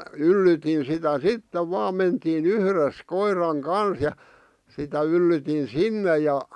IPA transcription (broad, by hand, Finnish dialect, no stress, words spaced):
ylːytin sitæ sitːeʋ ʋɑːm mentiːn yhres koirˑɑŋ kɑns jɑ sitæ ylːytin sinːe jɑ